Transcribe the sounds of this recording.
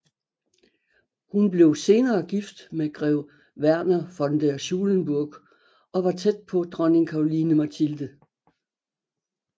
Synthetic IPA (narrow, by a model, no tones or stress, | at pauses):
hunb̥le̝ʊse̝ːnɐːɡ̥ifd̥meɡ̥ʁɛʊ | ʋæɐ̰nɐfɒ̽nd̥eɐɕuːlənb̥uɐɡ̥ | ɒ̽ʋɑ̈t͡sʰed̥̚pʰɒ̽d̥ʁɶne̝ŋkʰɑ̈oliːnəmæt͡sʰild̥ə